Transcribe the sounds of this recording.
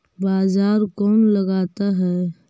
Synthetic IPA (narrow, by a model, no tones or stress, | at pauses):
baːzaːɾkɔːnlɐɡaːt̪aɦɛː